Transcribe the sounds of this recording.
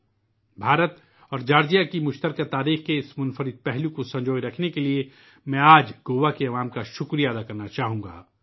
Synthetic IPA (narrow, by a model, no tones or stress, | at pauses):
bʱaːɾət̪ | ɔːɾd͡ʒaːɾd͡ʒijakimʊʃt̪əɾkat̪aːɾiːxkeɪsmʊnfəɾɪd̪̚pɛɦlũkosɐ̃ɲd͡ʒoːjɾɐkʰnekelie | mɛ̃aːd͡ʒɡoːʋakeɐʋaːmkaʃʊkɾijaːd̪akɐɾnat͡ʃaːɦũːŋɡa̰ː